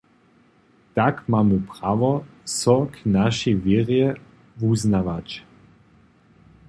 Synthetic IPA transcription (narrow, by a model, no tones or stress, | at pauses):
t̪akmaːməpʁavɔsɔknaʃivjɛʁjɛ | vuznavat͡ɕ